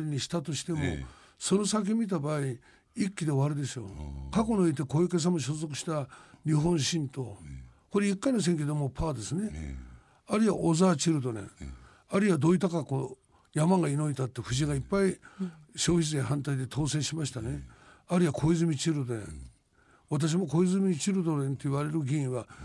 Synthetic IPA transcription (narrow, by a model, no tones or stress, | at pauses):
ɾʲiɲ̟iɕi̥t̪at̪o̞ɕi̥t̪e̞mo̞̰ | so̞no̞sak̬ʲiemʲit̪abaːi | ikʲːid̪e̞βaɾɯ̟d̪e̞so̞̰kako̞ɲnʲoit̪̬e̞ko̞ike̞s̬amoɕ̬ozo̞kɯ̟̥ɕi̥t̪aɲʲiɦõ̞ɰ̃ɕĩnt̪o̞ | ko̞ɾeikːanes̬ẽŋk̬ʲed̪omopʰaːd̪e̞sɨne̞ | aɾɯiβa̰ʔozaːt͡ɕiɾɯd̪onḛ | aɾɯiβad̪o̞ːit̪akako | jamãŋɡaino̞it̪at̪ːeɸɯ̟ʑiɡaipːaiɕo̞ːçis̬eɦãnt̪aid̪e̞t̪ʰo̞ːsẽ̞ːɕimaɕi̥t̪ane̞ | aɾɯiβakʰo̞izɨmʲit͡ɕiɾɯd̪oɾḛ̃ | βat̪̬aɕ̬imo̞ko̞izɨmʲit͡ɕiɾɯd̪o̞ɾẽ̞nt̪o̞iβaɾe̞ɾɯɡʲiĩβa